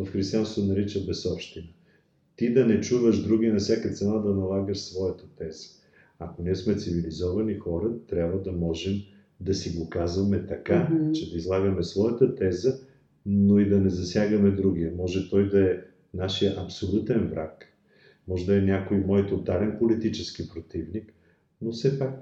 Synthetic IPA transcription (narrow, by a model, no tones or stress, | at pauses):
vɐfxɾist̪ijanst̪vonɐɾit͡ʃəbɛsɔpʃt̪inə | t̪id̪ɐnɛt͡ʃuvəʒd̪ɾuɡinɐfsʲjakət̪sɛnad̪ɐnɐlˠaɡəʃsvɔjət̪ət̪ɛzə̥ | akoniɛsmɛt̪sivilizɔvɐnixɔɾət̪ɾʲjabvəd̪ɐmɔʒɛm | d̪ɐsiɡokazvɐmɛt̪ɐkat͡ʃɛd̪ɐizlˠaɡəmɛsvɔjət̪ət̪ɛzə | noid̪ɐnɛzɐsʲjaɡəmɛd̪ɾuɡ̟iɛmɔʒɛt̪ɔjd̪ɐɛ | naʃijəʔɐpsolʲut̪ɛnvɾa̰k | mɔʒɛd̪ɐɛnʲakoimɔjt̪ot̪alɛnpolit̪it͡ʃɛskipɾot̪ivnik | nofsɛpak̚